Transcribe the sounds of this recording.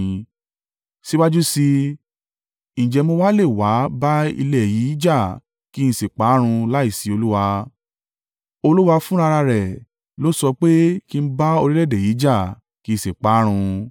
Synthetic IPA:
si˦wa˦d͡ʒu˦si˧ | ñ̩˨d͡ʒɛ˧mo˧wa˦le˦˨wa˨˦ba˦ḭ˧lɛ˦˨ji˨˦d͡ʒa˦˨ | ki˦ñ̩˧se˨k͡pa˨˦ɾ̃ũ˧la˦i˦˨si˨˦o˧lu˦wa˧ | o˧lu˦wa˧fũ˦ɾa˧ɾa˧ɾɛ˨ | lo˦sɔ˧k͡pe˦ki˦n̩˦ba˦o˧ɾi˦lɛ˦˨de˨ji˨˦d͡ʒa˦˨ | kĩ˨˦˨se˨k͡pa˨˦ɾ̃ũ˧

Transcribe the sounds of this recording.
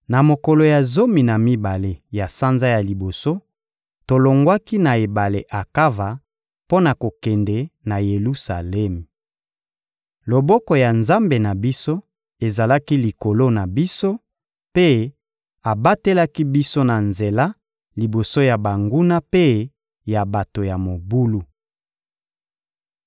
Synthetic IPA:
na˨mo˨kɔ˨lo˨ja˨zo˦mi˨na˨mi˦ba˨le˨ja˨sa˦nza˦ja˨li˨bo˨so˦ | to˨lo˨ŋɡwa˦ki˦na˨e˨ba˨le˨ʔa˨ka˦va˨ | po˦na˨ko˨kɛ˨ndɛ˨na˨je˨lu˦sa˨lɛ˦m˨ | lo˨bɔ˦kɔ˨ja˨nza˦mbe˨na˨bi˦so˦ | e˨za˨la˦ki˦li˨ko˨lo˦na˨bi˦so˦ | pe˦ | a˨ba˦te˦la˦ki˦bi˦so˦na˨nze˨la˦ | li˨bo˨so˦ja˨ba˨ŋɡu˦na˦pe˦ | ja˨ba˨to˨ja˨mo˨bu˦lu˨

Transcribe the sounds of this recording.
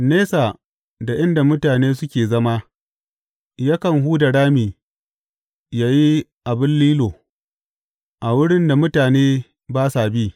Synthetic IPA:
neː˦sa˨ | da˨ʔɪ˦nda˨mʊ˦taː˨neː˦sʊ˦kʲeː˨zɐ˦ma˦ | ja˦kɐ˨ŋɦuː˦dɐ˨ɽaː˦miː˨ | jaː˦ji˦ʔa˨bɪ˦nliː˦loː˨ | ʔa˨wʊ˦ɽɪ˦nda˨mʊ˦taː˨neː˦ | baː˦saː˨biː˦

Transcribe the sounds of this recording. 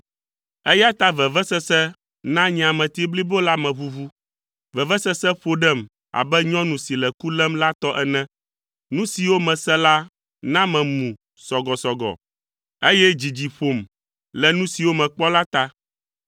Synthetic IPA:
ɛ˦ja˦t̪a˦vɛ˨vɛ˦sɛ˦sɛ˦ | nã˦ɲ̃˨ã˨mɛ̃˨t̪i˦bli˦bo˦la˦mɛ̃˨βu˦vu˦ | vɛ˨vɛ˦sɛ˦sɛ˦ɸo˦ɖɛ˦˨m | a̰˨bɛ˦ɲɔ̃˦nũ˨si˨lɛ˨ku˦lɛ˦mla˦t̪ɔ˦ʔɛ˨nɛ̃˦ | nũ˦si˨wo˦mɛ̃˨sɛ˦la˦ | nã˦mɛ̃˨mũ˨ | sɔ˨ɡɔ˨sɔ˨ɡɔ̰˨ | e˦jɛ˦d͡ʑi˨d͡ʑi˨ɸo˨m | lɛ˨nũ˦si˨wo˦mɛ̃˨k͡pɔ˦la˦t̪a˦

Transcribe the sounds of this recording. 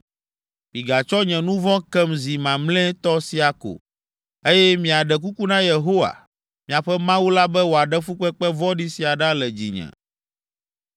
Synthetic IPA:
mĩ˨ɡa˨t͡ʃɔ˦ɲɛ̃˨nũ˦vɔ̃˦kɛ˦mzi˨mã˨mlɛ̃˦t̪ɔ˦si˦a˨ko̰˨ | e˦jɛ˦mĩ˨a˨ɖɛ˨k̬u˦ku˦nã˦je˨ɦo˦wa̰˨ | mĩ˨a˨ɸɛ˦mã˦wu˦la˦bɛ˦wo˨a˨ɖɛ˦fu˦k͡pɛ˦k͡pɛ˦vɔ˦ɖi˦si˨a˨ɖa˦lɛ˨d͡ʑḭ˨ɲɛ̰̃˨

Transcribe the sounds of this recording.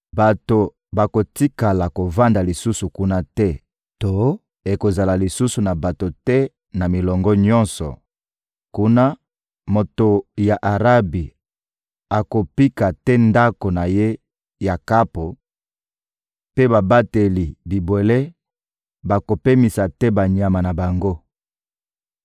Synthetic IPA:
ba˨to˨ | ba˨ko˨ti˦ka˨la˨ko˨va˦nda˨li˨su˦su˨ku˦na˦tɛ˦ | to˦ | e˨ko˨za˨la˨li˨su˦su˨na˨ba˨to˨tɛ˦ | na˨mi˨lɔ˨ŋɡɔ˦ɲɔ̃˦nsɔ̰˨ | ku˦na˦ | mo˨to˨ja˨ʔa˨ʁa˦bi˨ | a˨ko˨pi˦ka˨tɛ˦nda˦ko˨na˨je˦ | ja˨ka˦po˨ | pe˦ba˨ba˦te˨li˨bi˨bwe˨le˦ | ba˨ko˨pe˦mi˨sa˨tɛ˦ba˨ɲa˨ma˨na˨ba˨ŋɡo˦

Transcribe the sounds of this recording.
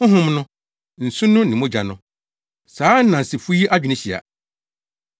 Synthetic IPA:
ʊ̃˦ɦʊ̃˦mnʊ̃˦ | n̩˨sʊ̃˦nʊ̃˦nɪ̃˨mʊ̃˦d͡ʑa˨nʊ̃˦ | saː˨˦n̩˦nã˨n̩˨sɪ˨fu˦i˦ʔa˦d͡ʑᶣnɪ̃˦ɕi˨a̰˨

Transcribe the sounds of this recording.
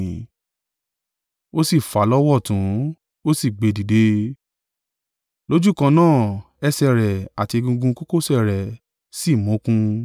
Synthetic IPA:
o˦si˦˨fa˨˦lɔ˦wɔ˦˨tũ˨˦ | o˦si˦˨ɡ͡be˨˧di˨de˦ | lo˦d͡ʒu˦˨kã˧nãː˦˨ | ɛ˧sɛ˧ɾɛ˨a˨ti˧ɡũ˧ɡũ˧ko˦ko˦˨sɛ˦˨ɾɛ˨ | si˦˨mɔ̃˨˦kũ˧

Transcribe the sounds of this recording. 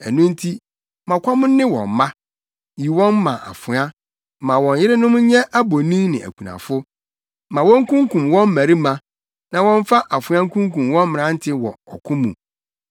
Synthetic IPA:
æ˨nũ˦n̩˦tʰi˦ | mã˨kʰʷɔ˦mʊ̃˦nː˦ɪ̃˦wɔ̰̃˨m˨˦mã˦ | ji˨wɔ̃˦nːã̰˨ʔa̰˨fʊ˨˦ã˦˨ | mã˨wɔ̃˨ɲ˦jɪ˦ɾɪ˦nʊ̃˦m˦ɲɛ̃˦ʔa˦bo˨nĩ˦nɪ̃˨ʔæ̰˨kʷʰu˨nã̰˨fʊ˦ | mã˨wɔ̃˦ŋ̩˦kũ˦ŋkũ˨mwɔ̃˦m̩˦æ˨ɾi˦mã˨ | nã˨wɔ̃˦n˦fa˦ʔa˨fʊ˨˦ã˦ŋ̩˦kʰũ˦ŋkũ˨mwɔ̃˦m˦mɪ̃˨ɾã˨˦n̩˦tʰɪ˦wɔ̰˨ɔ˨kʰʊ̃˦mṵ̃˨

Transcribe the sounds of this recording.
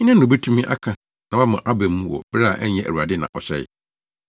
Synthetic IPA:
ɲĩ˦nã˦nː˨ʊ̃˨bɛ˦tʰũ˦mĩ˦ʔa̰˦kʰã˨ | nã˨wa˦mʊ̃˨ʔa˦bɛ˨mː˦ũ˦wɔ̰˨baː˦˨ʔɛ˦ɲ˦ɛ˦ʔæ̰˨ɾu˨a˨dɪ˦nã̰˨ʔɔ˨ɕɛ̰˦˨ɪ̰˨

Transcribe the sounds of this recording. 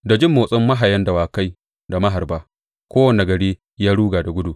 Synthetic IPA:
da˨d͡ʒɪ˦mːoː˨sʼɔ˦mːɐ˦ɦa˨jɐ˦nda˨waː˨ka˦j | da˨mɐ˦ɦa˨rbaː˦ | kʷoː˦wɐ˨na˨ɡɐ˨ɽeː˦ | jaː˦ɽuː˦ɡaː˨da˨ɡʷʊ˦duː˨

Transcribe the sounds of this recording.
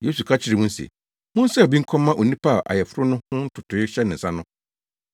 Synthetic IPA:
je˦su˨kʰa˦t͡ɕʰɪ˨˦ɾɪ˨mũ˦n̩˦sḛ˨ | mʊ̃˦n̩˦sɛ˦˨bĩ˦ŋ˦kʰɔ̃˦mːã˦ʔo˨nĩ˦pʰa˦a˨ʔa̰˨jɛ˨fʊ˦ɾʊ˦nʊ̃˦hʊ̃˦n̩˦tʰʊ˨tʰʊ˨ɪ˦ɕɛ˦nɪ̃˨n̩˨sã˦nʊ̃˦

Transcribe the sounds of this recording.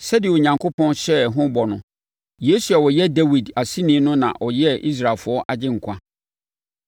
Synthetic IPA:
sɛ˦dɪ˨o˨ɲã˨ŋkʰo˦pʰɔ̃˦nɕɛ˦ɦʊ̃˦bɔ˨nʊ̃˨ | je˨˦su˨a˨wɔ˨jɛ˦da˦wi˨da˨si˦nĩ˨˦nʊ̃˦nã̰˨ʔɔ˨jɛ˦ʔi˦s̬ɾa˨lfʊ˨˦ɔ˦ʔa˨d͡ʑɪ̃˦ŋ̩˨kʷʰã˦

